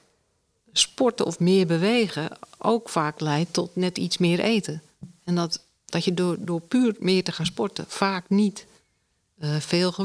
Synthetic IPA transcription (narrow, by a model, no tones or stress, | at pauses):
spɔrtəʔɔfmɪːrbəʋeːɣəʔo̰ːkfaːklɛjtʰɔtnɛtit͡ssmɪːəɾʔeːtə | ɛndɔt | d̥ɔtjədoːpyːrmɪːətəxaːnspɔrtə̰faːknit | feːlˠxə